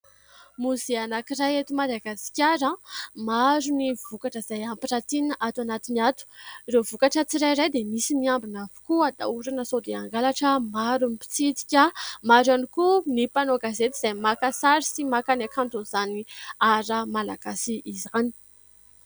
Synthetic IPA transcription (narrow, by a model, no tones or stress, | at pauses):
muzeanakirajet̪umad̪aɡasi̥kʲaɾəmaɾunivukaʈ͡ʂəz̥ajampirat̪inaʔat̪anat̪iniat̪u̥revukaʈ͡ʂət͡siɾajɾajd̪emisimiambinavi̥kuad̪a̰uɾanəsod̪eaŋɡalaʈ͡ʂəmaɾunipi̥t͡sit̪i̥kʲamaɾanikunipanoɡazet̪iz̥ajmakasaɾisimakanakant̪ozaniaɾəmalaɡ̥asiʔizani̥